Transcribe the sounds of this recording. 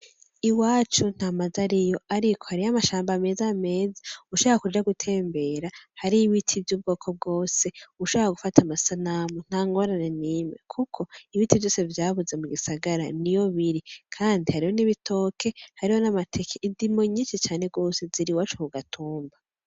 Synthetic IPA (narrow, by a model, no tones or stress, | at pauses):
iwaːt͡ʃun̥amazaɾijo̞aɾikʰohaɾiamaʃaːmbame̞ːzame̞ːzḁuuʃo̞βoɾakud͡ʒaɡutʰe̞ːmbe̞ɾahaɾiːβitʰivjuːb̚ɡo̞ːkʰob̚ɡo̞ːse̞uuʃoβoɾaɡufatʰamasanamun̥haːŋɡo̞ɾaneniːmḛkʰukʰo̞iβitivjo̞ːse̞vjaːβuze̞muɡisaɡaɾanijo̞βiɾikʰaːndihaɾiho̞niβitʰo̞ːkʰe̞haɾiho̞namatʰe̞kʰeʔindimo̞ɲiːnʃet͡ʃaːne̞ɡo̞ːseziɾiwaːt͡ʃuuɡatʰuːmba